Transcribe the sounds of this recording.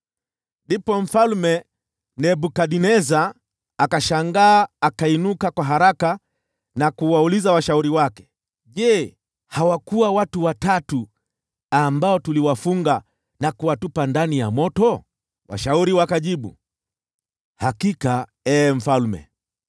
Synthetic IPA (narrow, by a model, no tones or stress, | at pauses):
ndipɔm̩falmɛ | nɛɓukaɗinɛzaː | kaʃaŋɡaːkainukakwaɦaɾaka | nakuwaulizawaʃauɾiwakɛ̥ | ʄɛ | hawakuwawatuwatatu | ambaɔtuliwafuŋɡa | nakuwatupandanijamɔtɔ | wa̰ʃauɾiwakaʄiɓṵ | hakika | ɛm̩falmɛ̰